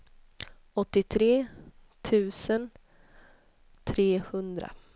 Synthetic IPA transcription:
ɔt̪ːɪt̪ʰɾeːt̪ʰʉ̟ːsən | t̪ʰɾeːhɵnd̪ɾa̰

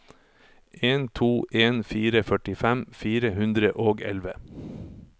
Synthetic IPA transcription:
ʔeːnt̪ʰuːʔeːnfiːɾəfœʈɪfɛmfiːɾəhʉnd̪ɾəʔoːɡɛ̰lʋə

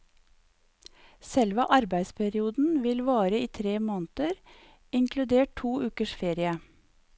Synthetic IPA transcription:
sɛlʋəʔɑɾbæɪd̪spʰæɾɪuːd̪n̩ʋɪlʋɑːɾəiːt̪ʰɾeːmoːnt̪əɾ | ɪŋklʉd̪eːʈ̚ʰuːʔʉːkəʃfeːɾɪə

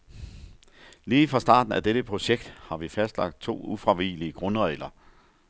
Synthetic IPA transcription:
liːfʁɑ̈sd̥ɑ̰̈ːd̥n̩æd̥eɾ̥əpʰʁo̝ɕeɡ̥d̥hɑ̈ʋifæsd̥lɑ̈ɡ̥̚d̥̚t͡sʰo̝̰ːufʁɑʋḭːliəɡ̥ʁɔ̽nəʁɛɪlɐ

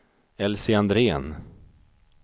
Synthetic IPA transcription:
ɛlsɪand̪ɾeːn

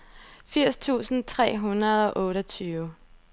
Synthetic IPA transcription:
fiɐ̰st͡sʰṵːsn̩t͡sʰʁɛ̰ːɦunɐð̞ˠɒ̽ʔɔ̽ːɾɒt͡sʰyːʊ

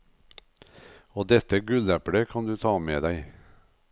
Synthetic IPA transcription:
oːd̪ɛt̪əɡʉlæpɽəkʰɑnd̪ʉːt̪ʰɑːmḛːd̪æɪ

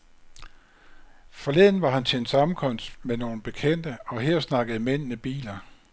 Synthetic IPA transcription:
fɒ̽le̝ð̰ˠn̩ʋɑ̈hænt͡sʰe̝nsɑ̈m̩kʰɒ̽n̰sd̥meno̝ːn̩b̥e̝kʰen̰d̥əɒ̽ɦeɐ̰snɑ̈ɡ̥əð̩ˠmen̰nəb̥ḭːlɐ

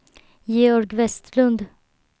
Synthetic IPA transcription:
jeːɔɾɡʋɛst̪lʉnd̪

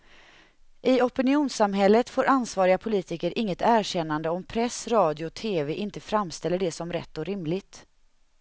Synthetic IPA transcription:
ʔɪɔpɪnɪuːnsamɦɛlːət̪foːɾʔansvɑːɾɪɡapʰʊliːt̪ɪkəɾʔɪŋːət̪æːɾɕɛnːand̪əɔmpʰɾɛsɾɑːd̪ɪʊt̪ʰeːveʔɪnt̪əfɾamːst̪ɛlːəɖɛsɔmɾɛ̰t̪ːɔɾɪmlɪɡt̪

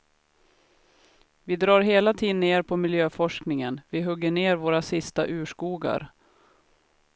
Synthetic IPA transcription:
vɪd̪ɾɑːɾɦeːlat̪ʰiːd̪ənːeːɾpʰɔmɪljøːfɔʂknɪŋənvɪɦɵɡːəɳeːɾvoːɾasɪst̪aʔʉ̟ːʂkuːɡa̰ɾ

